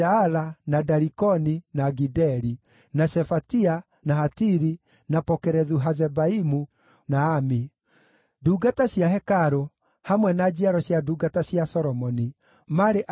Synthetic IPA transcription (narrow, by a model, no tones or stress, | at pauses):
aalanadaɾikɔninaɡidɛɾi | naʃɛfatia | nahatiɾi | napɔkɛɾɛðuɦazɛbaimu | naːmi | duːɡataɕjahɛkaɾo | hamwɛnad͡ʑiaɾɔɕjaduɡataɕjasɔɾɔmɔni | maɾeʔ